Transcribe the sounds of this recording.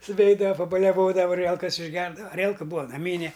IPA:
sʊˈʋʲɛɪdɐʋɐ pɐbɐlʲɛˈʋoːdɐʋɐ ɐˈrʲiɛlˠkɐs ɪʒʲˈɡʲɛrdɐʋɐ ɐˈrʲiɛlˠkɐ ˈbuːɐ nɐˈmʲiːnʲɛ

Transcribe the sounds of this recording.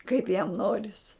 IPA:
kɐɪp jɛm ˈnoːrʲɪs

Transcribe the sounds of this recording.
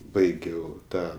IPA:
ˈbɐɪɡʲɛʊ ˈtɑː

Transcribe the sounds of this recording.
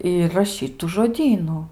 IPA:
ˈɪr rɐˈʃʲiːt tʊ ʒoːˈdʲiːnʊ

